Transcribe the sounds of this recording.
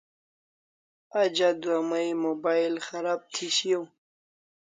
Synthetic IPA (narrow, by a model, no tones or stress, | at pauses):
ad͡ʒad̪wamajmobajlxaɾab̚t̪ʰiɕjow